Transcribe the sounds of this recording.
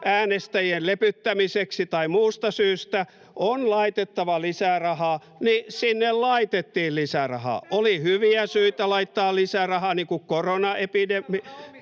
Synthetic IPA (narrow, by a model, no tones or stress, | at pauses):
ʔæːnest̪æjiellepyt̪ːæmiseksit̪ɑimuːst̪ɑsyːst̪æ | onlɑit̪et̪ːɑʋɑlisærɑhɑːˑ | nisinːellɑit̪et̪ːiːllisærɑ̰hɑ̰ːʔolihyʋiæsyit̪ælɑit̪ːɑːllisærɑhɑːniːŋkukkoronɑepidemːi